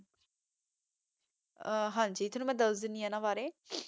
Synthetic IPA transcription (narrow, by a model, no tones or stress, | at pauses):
ɦãːɲd͡ʒiːt̪ʰonũːmɛ̃ːd̪əsd̪ɪniːaːnãːʋaːɾeː